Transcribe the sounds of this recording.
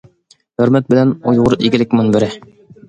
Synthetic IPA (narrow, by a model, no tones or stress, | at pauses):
hɵ̆ɾmæt̪̚bɘ̆lænojʁɤɾiɡɘ̆lɘkmɘnbɘ̆ɾæ